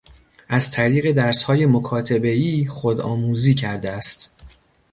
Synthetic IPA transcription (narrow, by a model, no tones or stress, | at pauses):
ʔæzt̪ʰæɾiːɣe̞d̪æɾshɒːje̞mokʰɒːt̪ʰebe̞iːxod̪ɒ̰ːmuːziːcʰæɾd̪eæst̪